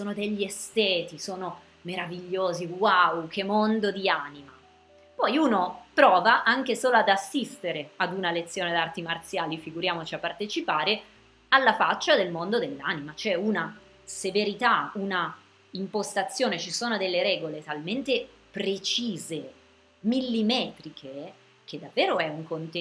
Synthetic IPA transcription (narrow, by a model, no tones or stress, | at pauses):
soːnod̪eʎːiest̪ɛːt̪isoːno | meɾaviʎːoːziwawkʰemond̪od̪iaːnima | pɔjuːnopɾɔːvaʔaŋk̟esoːload̪asːist̪eɾead̪unalet̪sːjoːned̪art̪imart̪sjaːlifiɡuɾjaːmot͡ʃiapːart̪et͡ʃipaːɾe | alːafat͡ʃːad̪elmond̪od̪elːa̰nimat͡ʃɛuna | seveɾit̪auna | impost̪at̪sːjoːnet͡ʃisoːnod̪elːeɾɛːɡolet̪alment̪e | pɾet͡ʃiːze | milːimɛːt̪ɾikʰe | k̟ed̪ːavːeːɾoɛuŋkont̪e